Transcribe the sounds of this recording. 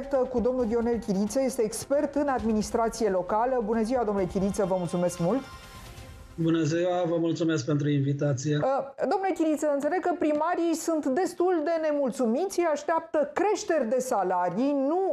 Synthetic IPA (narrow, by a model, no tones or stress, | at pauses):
k̚t̪əkud̪o̞mnuld̪io̞ne̞lkʲiɾit̪səje̞st̪eːkspe̞rt̪ɨnad̪minist̪ɾat̪sije̞lo̞kaləbunəziwad̪omnulekʲiɾit̪səvəmult̪sume̞skmult̪ | bunəziwavəmult̪sumesk̚pe̞nt̪ɾuinvit̪at̪sijed̪omnlekʲiɾit̪səɨnt̪sele̞ɡ̚kəpɾimaɾijsunt̪d̪e̞st̪uld̪e̞ne̞mult̪sumit̪sʲjaʃt̪eap̚t̪əkɾe̞ʃt̪e̞rʲd̪e̞salaɾijnu